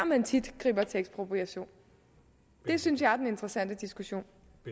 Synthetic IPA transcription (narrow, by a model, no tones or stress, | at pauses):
mænt͡sʰid̥ɡ̥ʁḭːb̥ɐt͡sʰeɡ̥spʰʁo̝b̥ʰʁiæɕo̝̰ːn | d̥e̝synsjɑ̈ɪɐdene̝nd̥ʁəsæn̰d̥əd̥isɡ̥uɕo̝̰ːn